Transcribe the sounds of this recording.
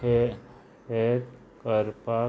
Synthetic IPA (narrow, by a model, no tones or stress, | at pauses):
e | eʈ | kəɾpa